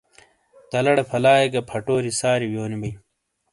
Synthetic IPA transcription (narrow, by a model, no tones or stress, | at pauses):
t̪ɐlɐɽepʰɐlaːjeɡɐpʰɐʈoːɾisaːɾiwjoːnibɐj